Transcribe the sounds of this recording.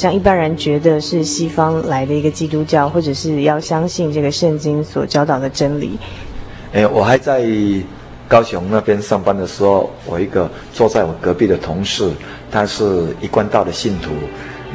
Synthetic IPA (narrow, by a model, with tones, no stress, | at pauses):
ɕjɑ˥˧ŋi˥˩pa˦nɻə˧˦nt͡ɕɥɛ˧˥d̪ə˨ʂɻ̩˥˩ɕi˥fɑ˥ŋla˧˥ɪd̪ə˨i˧˥ɡə˧t͡ɕi˥t̪u˥t͡ɕjɑ˥˩ʊxwɔ˥˩ʈ͡ʂə˨˩ʂɻ̩˥˧jɑ˥˩ʊɕjɑ˥ŋɕi˥˧nʈ͡ʂɤ˥˩ɡə˩ʂə˥˩nt͡ɕi˥nswɔ˨˩t͡ɕjɑ˥ʊt̪ɑ˨˩ʊd̪ə˩ʈ͡ʂə˦˥nlḭ˨˩˦ | e˥˧˩wɔ˨˩xa˧˦ɪt͡sa˥˧ɪ | kɑ˥ʊɕʊ˧˦ŋna˥˧pʰjɛ˥˦nʂɑ˥˩ŋpa˥˦nd̪ə˨ʂɻ̩˧˥xo˥˩ʊwɔ˨˩i˧˥ɡə˨ | t͡swɔ˥˧t͡sa˥˩ɪwɔ˨˩kɤ˧˥pi˥˩d̪ə˩t̪ʰʊ˧˥ŋʂɻ̩˥˩ | t̪ʰa˦˥ʂɻ̩˥˩i˧˥kwa˥˧nt̪aɑ˥˩ʊd̪ə˩ɕi˥˨˩nt̪ʰu˨˦